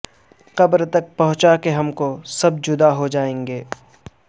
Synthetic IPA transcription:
qɐbɾt̪ɐk̚pɐɦʊ̃t͡ʃakeɦɐmkosɐb̚d͡ʒʊd̪aɦod͡ʒaːẽːŋɡeː

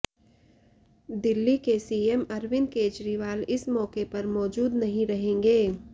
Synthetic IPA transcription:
d̪ɪlːikesiːemɐɾʋɪnkeːt͡ʃɾiʋaːlɪsmɔːkepɐɾmɔːd͡ʒuːd̪nɐɦĩɾɐɦẽːŋɡeː

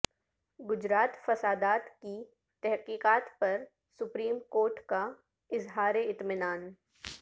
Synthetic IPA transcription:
ɡʊd͡ʒɾaːt̪fɐsaːd̪aːt̪ki | t̪ɛɦqiːqaːt̪pɐɾ | sʊpɾiːmkoːɾʈka | ɪzɦaːɾeɪt̪mɪnaːn

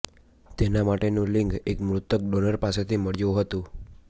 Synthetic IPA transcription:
t̪enamaʈenũliŋɡekmɾut̪ək̚ɖonəɾpaset̪ʰiməɭjuɦət̪ũ

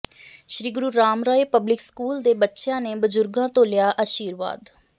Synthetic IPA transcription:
ʃɾiːɡʊɾuːɾaːmɾaːeːpəblɪkskuːld̪eːbətːʃjãːneːbəzʊɾɡãːt̪oːlɪjaːʔaːʃiːɾʋa̰ːd̪

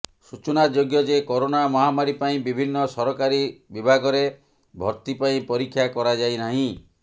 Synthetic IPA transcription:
sut͡ʃunad͡ʒoɡjɔd͡ʒekɔɾonamɔɦamaɾipaĩbibʱinːɔsɔɾɔkaɾibibʱaɡɔɾe | bʱɔɾt̪ipaĩpɔɾikʰːjakɔɾad͡ʒajnaɦĩ

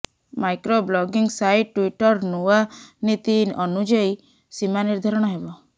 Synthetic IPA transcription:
majkɾoblɔɡiŋsajʈʈːwiʈɔɾnuanit̪iɔnud͡ʒɔi | simaniɾd̪ʱaɾɔɽ̃ɔɦebɔ

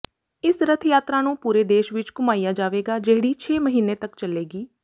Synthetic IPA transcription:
ɪsɾət̪ʰjaːt̪ɾaːnũːpuːɾeːd̪eːʃʋɪt͡ʃkʊmaːijaːd͡ʒaːʋeːɡaːd͡ʒeːɽiːt͡ʃʰeːməɦiːneːt̪əkt͡ʃəleːɡiː

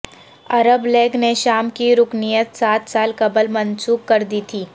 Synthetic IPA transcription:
ɐɾəbleːɡneʃaːmkiɾʊknijət̪saːt̪saːlkɐbəlmɐ̃nsuːkːɐɾd̪iːt̪ʰiː

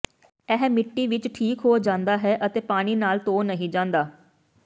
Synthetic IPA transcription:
ɛːɦmɪʈːiːʋɪt͡ʃʈʰiːkɦoːd͡ʒãːnd̪aːɦɛːʔət̪eːpaːɽ̃iːnaːlt̪oːnəɦĩːd͡ʒãːnd̪aː

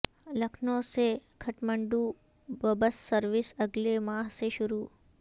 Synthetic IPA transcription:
lɐkʰnõsekʰɐʈmə̃ɳɖuː | ʋɐbəssəɾʋɪsɐɡlemaːɦseʃʊɾuː

